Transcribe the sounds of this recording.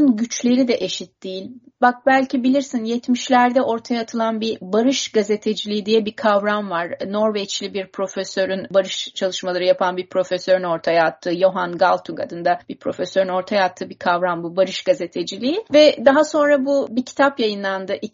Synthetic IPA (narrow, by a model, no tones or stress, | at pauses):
ɯnɟyt͡ʃlʲe̞ɾid̪ɛʔe̞ʃit̪̚d̪ijilʲbak̚bælʲcibilʲiɾsinjɛt̪miʃlʲæɾd̪ɛʔo̞ɾt̪ʰajaːt̪ʰɯlˠanbibaɾɯʃɡaze̞t̪ʰed͡ʒilʲijid̪ijɛbikʰavɾamvaɾno̞ɾvɛt͡ʃlʲibiɾpʰɾo̞føsø̞ɾynbaɾɯʃt͡ʃʰalˠɯʃmalˠaɾɯjapʰanbiɾpʰɾo̞føsø̞ɾyno̞ɾt̪ʰajaːt̪ʰːɯːjo̞ɦanɡalˠt̪ʰukʰa̰d̪ɯnd̪ab̥iɾpʰɾo̞føsøɾyno̞ɾt̪ʰajaːt̪ʰːɯːbikʰavɾambubaɾɯʃɡ̥aze̞t̪ʰe̞d͡ʒilʲijivɛd̪aɦaso̞nɾabubicʰi̥t̪ʰapjajɯnlˠand̪ɯʔi